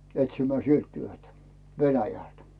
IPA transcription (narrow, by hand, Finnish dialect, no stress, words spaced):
etsimæː sielt tyøtæ ʋenæjæˑlt